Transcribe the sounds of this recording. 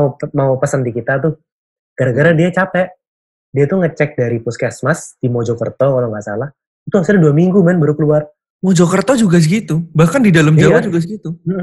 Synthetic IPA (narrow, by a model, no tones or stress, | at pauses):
maupəsənt̪ikit̪at̪ʊh | ɡ̥aɾaɡəɾadiat͡ʃapɛʔ | diat̪uŋət͡ʃɛk̚daɾipuskasmasdimɔd͡ʒɔkərt̪ɔkaloŋɡaʔsa̰lah | it̪uasaladuamiŋɡumanbəɾukəluar | mɔd͡ʒɔkərt̪ɔd͡ʒuɡas̬əɡit̪ubahkandidalamawad͡ʒuɡasəɡit̪um̩m̩